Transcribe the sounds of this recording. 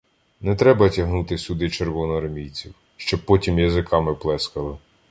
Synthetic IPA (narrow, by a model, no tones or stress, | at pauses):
nɛt̪ɾɛbɐtʲɐɦnut̪ɪsʲʊd̪ɪt͡ʃerʋɔnɔɐrmʲijt͡sʲiw | ʃt͡ʃɔbpːɔtʲimjɐzɪkʰɑmɪplˠɛskɐlˠɪ